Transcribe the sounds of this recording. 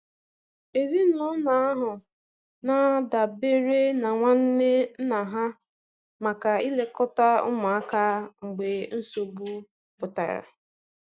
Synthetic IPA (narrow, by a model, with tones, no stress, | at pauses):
e˨zi˦ʊ˦na˨a˦ɦʊ˨ | na˦da˨be˦ɾe˦na˨ŋʷa˦n̩˦ne˦n̩˦na˨ɦa˦ | ma˨ka˨i˦le˦kɔ˦ta˦ʊ̰˦mʊ˨a˦ka˦ŋ͡m̩˨ɡ͡be˨n̩˦so˨ɡu˦ | pʊ˨ta̰˨ɾa̰˨